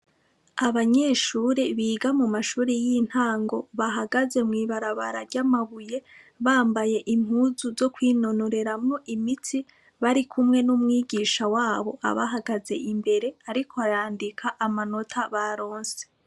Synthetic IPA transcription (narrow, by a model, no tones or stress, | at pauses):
aβaɲe̞ːʃuːɾeβiːɡamumaʃuːɾejin̥haːŋɡo̞βaɦaɡaze̞mŋiːβaɾaβa̰ɾaɾɟamaβuje̞ | βaːmbaje̞ʔim̥uːzuzo̞kwiːno̞no̞ɾe̞ɾamŋo̞ʔimitʰi | βaɾikʰumŋe̞numŋiːɟiːʃawaːβo̞̰ʔa̰βa̰ɦaɡaze̞ʔimbe̞ɾe̞aɾikʰoajaːndikʰaʔamano̞tʰaβaɾo̞ːnse